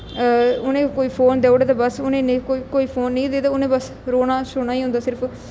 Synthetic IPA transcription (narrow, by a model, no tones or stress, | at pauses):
ʊnẽːkoːiːpʰoːnd̪eːoːɽeːt̪abəsʊnẽːnekoikoːiːpʰoːnːĩːd̪eːd̪aːʊnẽːbəs | ɾoːnaːʃʊɽ̃aːĩːɦʊ̃nd̪aːsɪɾpʰ